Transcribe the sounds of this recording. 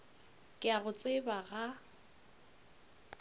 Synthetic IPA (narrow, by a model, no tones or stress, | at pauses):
kʼɪaɣʊt͡sʼɪbaɣa